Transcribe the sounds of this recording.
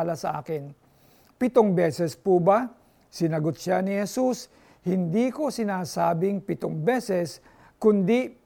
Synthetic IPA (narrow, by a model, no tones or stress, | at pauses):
lɐsɐʔa̰ːkɪn | pɪt̪oŋbɛːsɛspuːbɐ | sɪnɐɡot̪̚ʃanɪhɛsus | hɪnd̪iːko̞sɪnaːsaːbɪŋpɪt̪oŋbɛsɛs | kʊnd̪i